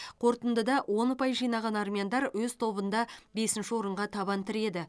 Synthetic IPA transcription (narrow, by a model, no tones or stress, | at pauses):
qʰo̞ɾt̪ənd̪əd̪ɑwo̞nʊpɑjʒijnɑʁɑnɑrmʲijand̪ɑɾwɵzt̪ʰo̞bənd̪ɑbe̞sɪnʃɪwo̞ɾəɴʁɑt̪ʰɑβɑnt̪ʰɪɾe̞d̪ɪ